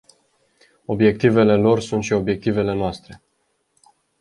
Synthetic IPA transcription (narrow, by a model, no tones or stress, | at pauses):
o̞bje̞k̚t̪ive̞le̞lo̞rsunt̪ʃio̞bje̞k̚t̪ive̞le̞noast̪ɾe̞